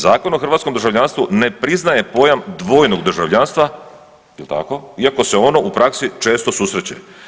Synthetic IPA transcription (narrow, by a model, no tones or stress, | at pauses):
zaːko̞noxrɾʋat̪ko̞md̪rʒavʎaːnst̪ʋune̞pɾiznaje̞po̞jamd̪ʋo̞jnoɡd̪r̩ʒaʋʎanst̪ʋa | ilt̪a̰ko̞iako̞se̞o̞no̞ʔupɾaksit͡ʃe̞ːst̪o̞susɾet͡ɕḛ